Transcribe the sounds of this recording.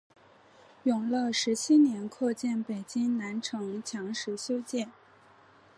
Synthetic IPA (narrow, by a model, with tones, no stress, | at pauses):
jʊ˨˩ŋlə˥˧ʂɻ̩˧˥t͡ɕʰi˥njɛ˧˥nkʰwɔ˥˧t͡ɕjɛ˥˩npe˨˩ɪt͡ɕi˥ŋna˧˥nʈ͡ʂʰɤ˧˥ŋt͡ɕʰjɑ˧˥ŋʂɻ̩˧˥ɕjo˥ʊt͡ɕjɛ˥˩n